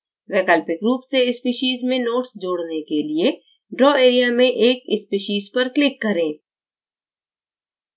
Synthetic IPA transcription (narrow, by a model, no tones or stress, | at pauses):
ʋɛːkaːlpɪkɾuːpseɪspiːʃiːzmẽnoːʈsd͡ʒoːɽnekelie | ɖɾɔːeːɾijamẽʔeːkɪspiːʃiːzpɐɾklɪkːɐɾẽː